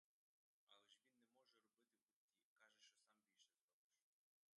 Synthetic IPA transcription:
ɑlˠɛʃʋʲinːɛmɔʒɛɾɔbɪt̪ɪbʊt̪ʲːikɑʒɛʃt͡ʃɔsɑmbʲilʲʃɛzd̪ɔbɔʃ

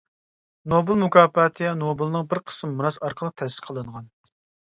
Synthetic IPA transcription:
nobɨlˠmukʰɑːpɑt̪ʰɨɛnobɨlˠɨnɨŋbɪɾqʰə̥smːuɾɑsɑɾqʰəlˠəq̚t̪ʰɛsɪ̥qʰəlˠɨɴʁɑn

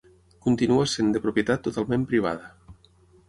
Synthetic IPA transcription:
kunt̪inuasend̪epɾopjet̪at̪ːot̪alˠmẽmpɾiβ̞a̰ð̞ə

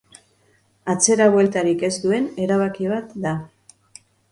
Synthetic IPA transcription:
at͡se̞ɾaβwe̞lt̪aɾike̞zd̪ue̞ne̞ɾaβ̞akiβ̞at̪d̪a

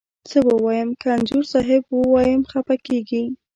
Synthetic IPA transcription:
t͡səbəwɑjəmkanzuɾsɑɦɪbwəwɑjəmxapakeɡi

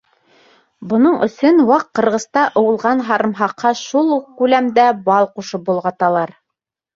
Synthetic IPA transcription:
bŏnɤɴɵ̆sɵnwɑqːɤ̆ɾʁɤ̆zt̪ɑʔŏwɤ̆lˠʁɑnɦɑɾɤ̆mɦɑqːɑʃulˠkʉlæmd̪æbɑlˠquʃɤpbulˠʁɑt̪ɑlˠɑɾ

